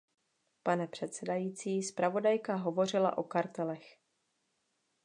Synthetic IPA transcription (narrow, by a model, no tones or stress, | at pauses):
panɛpr̝̥ɛt̪sɛdajiːt͡siːspɾavo̞dajkaɦo̞vo̞r̝ɪla̰ʔo̞kaɾt̪ɛlɛx